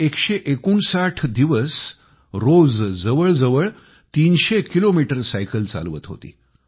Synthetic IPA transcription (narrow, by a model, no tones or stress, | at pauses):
ekɕeʔekuːɳsaʈʰd̪iʋəs | ɾod͡zd͡zəʋəɭd͡zəʋəɭ | t̪inɕekilomiʈəɾsajkəlt͡sa̰lʋət̪ɦo̰t̪ḭː